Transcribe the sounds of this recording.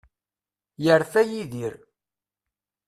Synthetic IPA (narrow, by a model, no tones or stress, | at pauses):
jəɾθæjiðiɾ